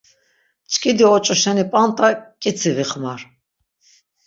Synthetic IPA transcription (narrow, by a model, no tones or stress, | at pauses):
t͡ʃʰʼkʼid̪iɔt͡ʃʼɔʃɛnipʼant̪ʼakʼit͡sʰiviχmaɾ